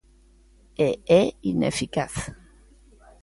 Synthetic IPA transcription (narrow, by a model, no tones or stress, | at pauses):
eɛinefikaθ